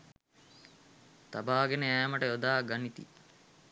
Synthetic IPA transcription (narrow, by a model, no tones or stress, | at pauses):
t̪abaːɡenəæːməʈəjod̪aːɡanit̪ḭ